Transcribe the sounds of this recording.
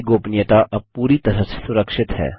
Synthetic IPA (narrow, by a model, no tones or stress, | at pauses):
ɡoːpnɪjət̪aʔɐpuːɾit̪ɐɾəse̥sʊɾəkʃɪt̪hɛ̰ː